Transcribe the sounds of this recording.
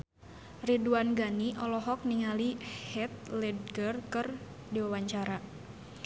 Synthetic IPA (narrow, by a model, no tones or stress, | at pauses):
riduanɡaniʔɔlɔɦɔk̚niŋalihɛt̪̚lɛd̚ɡərkər | diwawaɲt͡ʃaɾa